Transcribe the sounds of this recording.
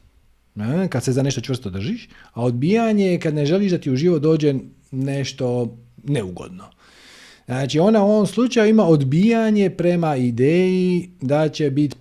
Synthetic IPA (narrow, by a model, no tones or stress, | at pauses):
akad̪se̞zane̞ʃt̪ot͡ʃʋr̩st̪od̪r̩ʒiʃao̞d̪̚biːjaɲekad̪ne̞ʒe̞liʃd̪at̪iːuʒiːʋot̪d̪o̞ːd͡ʑe | ne̞ʃt̪o̞neuɡo̰d̪no | znaːt͡ʃio̞nauo̞ʋomslˠut͡ʃajuimaod̪bijaɲe̞pɾe̞maid̪eːjid̪at͡ɕe̞bit̪